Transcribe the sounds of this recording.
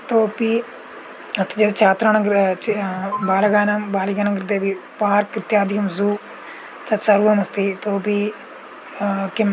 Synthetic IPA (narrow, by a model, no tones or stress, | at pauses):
t̪oːpiː | ɐst̪id͡ʒed̪t͡ʃʰaːt̪ɾaːnɐŋɡɾ | baːlɡaːnambaːliɡaːnɐŋɡɾd̪eːbipaːɾkɾɪt̪jaːd̪ɪkɐmzuː | t͡ʃɐsɐɾuːɐmɐst̪iːt̪oːpiː | kɪm